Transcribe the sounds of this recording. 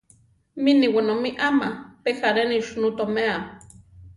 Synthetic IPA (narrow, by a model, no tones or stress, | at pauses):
miniwanomiʔamapexaɾeniʃnut̪omea